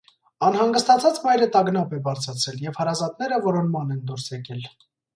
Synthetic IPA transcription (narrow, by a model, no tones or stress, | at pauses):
ɑnɦɑŋɡəst̪ɑt͡sʰɑt͡smɑjɾət̪ɑɡnɑpɛbɑɾt͡sʰɑt͡sʰɛljɛvhɑɾɑzɑt̪nɛɾəvɔɾɔnmɑnɛnd̪ɔɾsjɛkɛl